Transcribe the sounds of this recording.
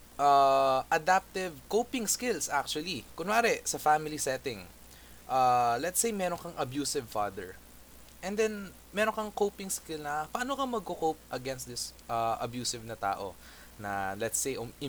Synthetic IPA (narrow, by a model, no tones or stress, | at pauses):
ʔaːʔɐd̪ap̚t̪ɪvkowpɪŋskɪlsak̚t͡ʃʊɐlikʊnaːɾɛsɐfamɪlisɛːt̪ɪŋ | ʔalɛt̪sejmɛːɾoŋkɐŋʔɐbjuːsɪvfad̪ɛ̰ɹ | ʔɛ̃nd̪ɛn | mɛɾoŋkɐŋkowpɪŋskɪlnɐpɐaːnokɐmɐɡ̚kokowp̚ʔɐɡɛnst̪̚d̪ɪsʔɐʔɐ̰bjuːsɪvnɐt̪a̰ːʔo̞̰ | nɐ̰lɛt̪sejʔoʔɪ